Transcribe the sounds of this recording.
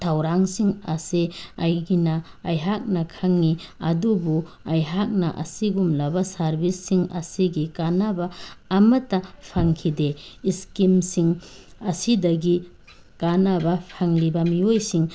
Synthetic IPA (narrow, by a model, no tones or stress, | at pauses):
tʰawɾaŋsiŋaseajɡinaː | jɦak̚nɐkʰaŋːiɐ̰dubu | ajɦak̚naʔɐ̰siɡumlabasaɾbisːiŋɐ̰siɡikanabaːmɐtːapʰaŋkʰideːskimsiŋɐsidɐɡi | kanabapʰaŋlibamiojsiŋ